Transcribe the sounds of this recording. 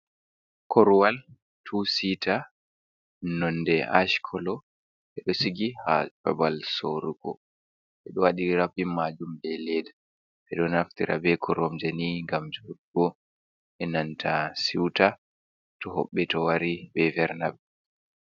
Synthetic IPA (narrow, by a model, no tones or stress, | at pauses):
kʰɔɾwal | tʰusitʰa | nɔndɛa̰ʃkʰɔlɔ | ɓɛɗɔsiɡiha̰abalsoɾuɡɔ̰ | ʔɛɗɔwaɗiɾapimad͡ʒumbɛlɛd | ʔɛɗɔnaftiɾʔa̰bɛkʰɔɾɔmd͡ʒeniŋɡamd͡ʒudɡɔ | ʔɛnantʰasiwta | tɔɦɔ̰ɓːɛtɔwaɾibɛvɛɾnabɛ